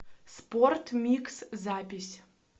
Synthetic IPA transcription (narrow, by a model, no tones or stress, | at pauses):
sport̪mʲikszaːpʲisʲ